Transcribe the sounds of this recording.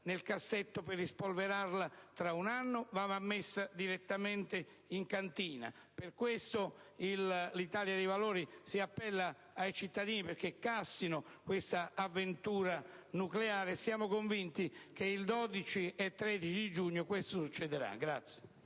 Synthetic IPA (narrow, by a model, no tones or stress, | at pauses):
nelkasːet̪ːopɪrispolveɾarlat̪ɾaunanːʊvaːvamːesːad̪iɾet̪ːamɛnt̪e | iŋkant̪iːna̰ | pɪrkwest̪oillit̪aːljad̪ejvalɔːɾisiapːɛlːa | ajt͡ʃit̪ːad̪iːniperk̟ekːasːinʊkwest̪aavːent̪uːɾanukleaːɾɪsjaːmʊkoɱvint̪ik̟eild̪ɔd̪it͡ʃiɛt̪ːɾɛd̪it͡ʃid̪id͡ʒuɲːʊkwest̪osut͡ʃːɛd̪eɾa̰ɡɾat̪sːje̥